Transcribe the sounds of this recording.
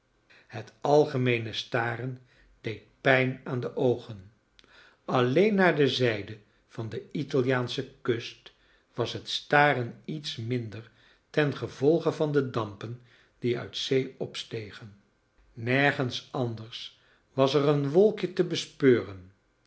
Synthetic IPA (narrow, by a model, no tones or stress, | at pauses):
hətɑlˠχəmejnəstaːrən | d̥ejt̚pɛjnaːndəʔowχən | ɑlejnːaːɹdəzɛjdə | v̥ɑndəitɑlˠjaːnsəkɵst | ʋɑsɦətstaːrənitsmɪndəɹ | tɛnχəvɔlˠχəvɑndədɑmpən | d̥iœ̰ɥtsejɔpstejχənː | ɛɹχənsɑndəɹs | ʋɑsərənʋɔlˠkjətəbəspøːrən